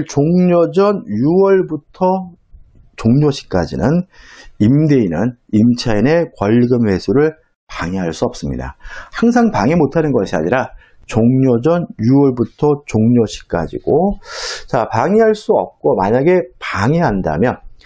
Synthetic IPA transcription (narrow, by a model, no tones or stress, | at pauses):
ɭt͡ɕoŋɲod͡ʑʌnjuwʌɭbutʰʌ | t͡ɕoŋɲoɕʰi̥k͈ad͡ʑḭnɯnimde̞inɯnimt͡ɕʰaine̞kwʌɭɡɯmwe̞sʰuɾɯɭ | paŋiɦaɭs͈uʌp̚s͈ɯmɲḭda̰haŋs̬ʰaŋpaŋemotʰanɯnɡʌɕʰia̰ɲiɾa | t͡ɕoŋɲod͡ʑʌnjuwʌɭbutʰʌt͡ɕoŋɲoɕʰi̥k͈a̰d͡ʑḭɡ̥ot͡ɕapaŋiɦaɭs͈uʌ̰p̚k͈omaɲaɡe̞paŋiɦanda̰mjʌn